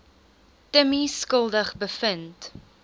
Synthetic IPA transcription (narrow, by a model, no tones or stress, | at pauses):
təmiskəlˠdəχbəfənt